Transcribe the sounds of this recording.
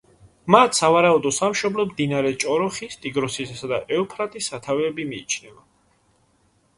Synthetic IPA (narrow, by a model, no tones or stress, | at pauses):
mat̪ʰsavaɾaud̪ɔsamʃɔblɔmd̪inaɾɛt͡ʃʼɔɾɔχist̪ʼiɡɾɔsisad̪aʔɛɔpʰɾat̪ʼisːat̪ʰavɛːbimiːt͡ʃʰnɛva